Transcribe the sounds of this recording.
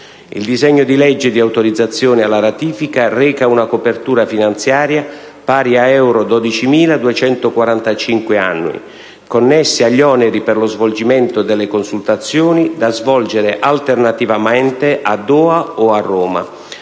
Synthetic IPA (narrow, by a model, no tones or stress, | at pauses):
ḭld̪izɛɲːod̪ilɛd͡ʒːɪd̪iawt̪oɾid̪zːat̪sːjoːnɪalːaɾat̪iːfikarɛːkaunakopert̪uːɾafinant̪sjaːɾja | paːɾiaɛwɾod̪ɔd̪it͡ʃimiːlad̪uet͡ʃɛnt̪okwaɾant̪at͡ʃiŋkwea̰nːwḭ | konːɛsːiaʎːɔːnɛɾipɪrlozvold͡ʒimɛnt̪od̪ɛlːekonsult̪at̪sːjoːnid̪azvɔld͡ʒeɾeʔalt̪ernat̪ivamɛnt̪eʔad̪ːɔːaoarːɔːma̰